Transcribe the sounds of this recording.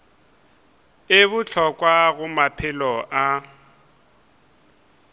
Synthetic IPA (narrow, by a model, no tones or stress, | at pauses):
ɪbʊt͡ɬʰɔkʼwaɣʊmapʰɪlɔʔa